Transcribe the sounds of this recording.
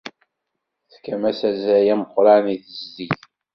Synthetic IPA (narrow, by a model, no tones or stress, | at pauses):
θkæmæsæzæjæməqːɾɑniθəzːiθ